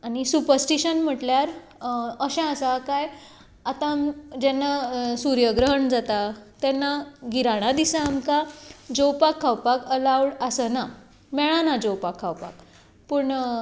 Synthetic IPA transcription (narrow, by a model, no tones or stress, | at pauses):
añisupəɾsʈiɕənm̤əʈljaɾ | əɕãəsakaj | at̪ãmd͡ʑɛnːasuɾjəɡɾəɦəɳd͡zat̪at̪ɛnːaɡiɾaɽ̃ad̪isaːmkad͡ʑowpakʰːawpakəlawɽəsəna | mɛɭanad͡zowpakʰːawpa̰k | pəɳ